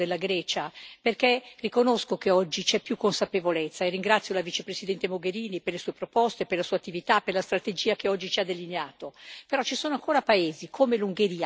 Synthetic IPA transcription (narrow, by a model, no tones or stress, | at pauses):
d̪elːaɡɾɛːt͡ʃaperkerikonoskokeɔd͡ʒːit͡ʃɛpːjukːonsapevolet̪sːaerːiŋɡɾat̪sːjolavit͡ʃepɾesid̪ɛnt̪emoɡeɾiːniperlesuːepɾopɔst̪eperlasuːat̪ːivit̪aperlast̪ɾat̪ed͡ʒiːakeɔd͡ʒːit͡ʃiad̪elineaːt̪opeɾɔt͡ʃisoːnoaŋkʰoːɾapaeːzikʰomeluŋɡeɾiːa